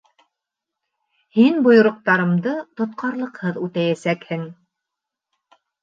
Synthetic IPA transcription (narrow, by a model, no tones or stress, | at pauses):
hinbŏjŏɾŏq̚t̪ɑɾɤ̆md̪ɤt̪ŏt̪̚qʰɑɾlˠɤ̆qhɤðʉt̪æjæsækhɘŋ